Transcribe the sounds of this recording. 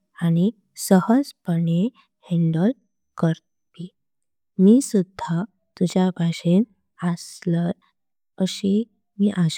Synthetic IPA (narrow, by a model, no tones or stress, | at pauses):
añi | səhəd͡zpəɳe | heɳɖəl | kəɾ | pi | miːsud̪ʱːa | t̪ud͡ʑjabʱaɕen | əsləɾ | əɕe | miːʔaɕ